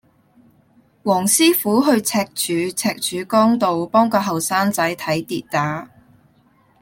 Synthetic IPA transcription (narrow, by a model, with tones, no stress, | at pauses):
wɔː˨˩ŋsiː˥fuː˨˥ɦɵ˧ɥt͡sʰɛː˧k̚t͡ʃʰyː˨˧˥t͡sʰɛː˧k̚t͡ʃʰyː˨˧kɔː˥ŋt̪o˨wpɔː˥ŋkɔː˧ɦɐ˨wsaː˥nt͡sɐ˨˥jt̪ʰɐ˨˥jt̪iː˧t̚t̪aː˨˥